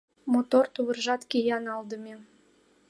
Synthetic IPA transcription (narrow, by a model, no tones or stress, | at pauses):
mot̪ort̪uβə̆rʒɑt̪kʲejɑnɑld̪ə̆mʲe